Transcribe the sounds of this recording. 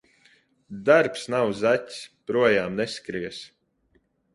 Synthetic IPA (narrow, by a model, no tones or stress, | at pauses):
d̪aɾpsnawzatʲspɾuɔjaːmnɛskɾiɛs